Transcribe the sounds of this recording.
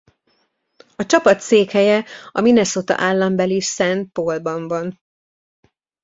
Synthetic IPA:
ɒt͡ʃɒpɒt̪seːkhɛjɛɒminɛsot̪ɒ̰ʔaːlːɒmbɛlisɛnt̪̚polbɒɱvɒn

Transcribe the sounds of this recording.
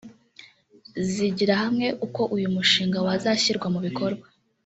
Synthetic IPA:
ziɟiɾahamŋe̞ʔuko̞ʔujumuʃiːŋɡawazaçiɾɡwamuβiko̞ɾɡwa

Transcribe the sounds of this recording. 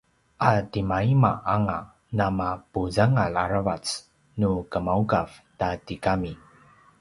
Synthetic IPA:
ʔatimaimaʔaŋa | namapuzaŋalaɾavat͡s | nukəmaukavtatikami

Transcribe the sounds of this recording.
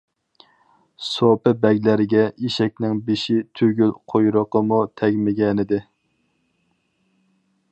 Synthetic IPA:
sopɨbɛɡʲlæɾɪɡʲɛiʃɛk̚ʲnɪŋbeʃit̪ʰyɡʲylqʰojɾʊqəmut̪ʰɛɡʲmɪɡʲɛnɪd̪ɪ

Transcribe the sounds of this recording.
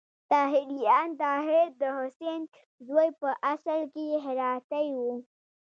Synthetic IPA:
t̪ɑɦɪd̪ijɑnt̪ɑɦɪɾd̪əhʊsen | zwojpəʔasalkeɦɪɾɑt̪ajwu

